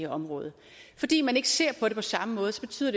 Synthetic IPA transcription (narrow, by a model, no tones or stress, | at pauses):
əɒ̽mʁɔ̽ːðˠə | fɒ̽d̥ḭːmæne̝ɡ̥əse̝ɐ̰pʰɒ̽ɾ̥e̝pʰɒ̽sɑ̈məmɔ̽ːð̞̩ˠsɒ̥̽e̝̥t͡sʰyːð̰ˠɐd̥e